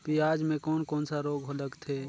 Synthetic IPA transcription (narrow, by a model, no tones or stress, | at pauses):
piaːd͡ʒmẽkɔːnkɔːnsaɾoːɡɦoləɡt̪ʰeː